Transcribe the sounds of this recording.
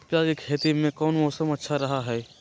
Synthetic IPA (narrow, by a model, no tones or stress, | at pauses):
pjaːd͡ʒɪkʰeːt̪imẽkɔːnmɔːsəmətːʃʰaɾɐɦaɦɛː